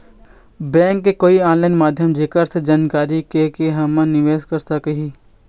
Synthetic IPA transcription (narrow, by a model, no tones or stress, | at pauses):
bɛ̃ːŋkːekoːiãːnlaːɪnmaːd̪ʱjəmd͡ʒekəɾsed͡ʒaːnkaːɾikekeɦɐmə̃nɪʋeːskəɾt̪akəɦiː